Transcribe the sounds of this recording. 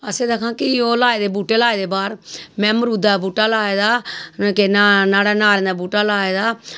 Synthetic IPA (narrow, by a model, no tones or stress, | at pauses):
əseːd̪əkʰãːkɪoːlaːeːd̪eːbuːʈeːlaːeːd̪eːbaːɾmɛ̃ːməɾuːd̪aːbuːʈaːlaːeːd̪aːkenːnaːɽaːnaːɾẽːnd̪aːbuːʈaːlaːeːd̪aː